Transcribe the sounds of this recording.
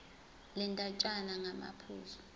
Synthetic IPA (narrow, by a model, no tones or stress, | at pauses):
lɛntʼat͡ʃʼanaŋama̰pʰṵːzɔ